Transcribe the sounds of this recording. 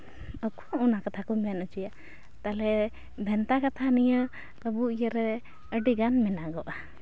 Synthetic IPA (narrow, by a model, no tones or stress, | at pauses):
əkɔunakat̪ʰakɔmɛjanut͡ʃija | t̪alɛ | bʱɛnt̪akat̪ʰanijə | əbuijəɾɛ | əɖiɡanmɛnaɡɔʔa